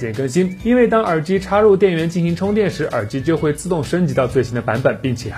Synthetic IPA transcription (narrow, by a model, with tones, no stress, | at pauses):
ɛ˨˩nkə˥nɕi˥ni˥nwe˥˩ɪt̪ɑ˥ŋə˞˨˩t͡ɕi˥ʈ͡ʂʰa˥ɻu˥˧t̪̬jɛ˥˩nɥɛ˧˥nt͡ɕi˥˩nɕi˧˥ŋʈ͡ʂʰʊ˥ŋt̪̬jɛ˥˩nʂɻ̩˧˥ʔə̰˞˨˩t͡ɕi˧˥t͡ɕjo˥˧ʊxwe˥˧ɪt͡sɹ̩˥˧t̪ʊ˥˩ŋʂə˥nt͡ɕi˧˥t̪ɑ˥˧ʊt͡swe˥˩ɪɕi˥nd̪ə˨pa˧˥npə˨˩npi˥˩ŋt͡ɕʰjɛ˨˩